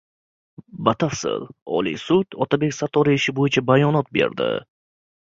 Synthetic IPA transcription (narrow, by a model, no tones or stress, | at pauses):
bat̪ʰafsɪ̰lɒ̰lḭsʊt̪ɒt̪ʰabe̞kʲsat̪ʰɒɾiɪʃɪbojɪt͡ʃʰabajɒnɒt̪̚be̞̰ɾd̪ɪ̰